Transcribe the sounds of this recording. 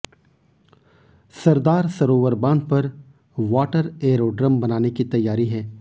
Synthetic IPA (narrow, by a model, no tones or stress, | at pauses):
sɐɾd̪aːɾsɐɾoːʋəɾbaːnpɐɾ | ʋaːʈəɾeːɾoːɖɾəmbɐnaːnekit̪ɐjːaːɾiɦɛː